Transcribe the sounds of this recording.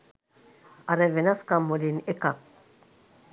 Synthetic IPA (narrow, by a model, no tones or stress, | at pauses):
aɾevenaskamolinekak̚